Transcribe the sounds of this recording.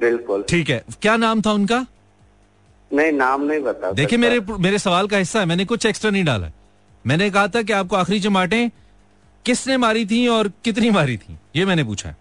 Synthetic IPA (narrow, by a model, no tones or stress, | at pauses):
bɪlkʊlʈʰiːkɦɛ̰ːkjaːnaːmt̪ʰaʊnka | nɐɦĩnaːmnɐɦĩbɐt̪ad̪eːkʰijemeːɾemeːɾesɐʋaːlkaɦɪsːaɦɛmɛ̃ːnekʊt͡ʃʰeːksʈɾanɐɦĩɖa̰ːla̰ɦɛ | mɛ̃ːnek̬ɐɦat̪ʰak̬eaːp̚koaːxɾit͡ʃɐmaːʈẽ | kɪsnemaːɾit̪ʰĩɔːɾkɪt̪̬nĩmaːɾit̪ʰḭ̃ːjeːmɛ̃ːnepṵːt͡ʃʰa̰ɦɛ̰ː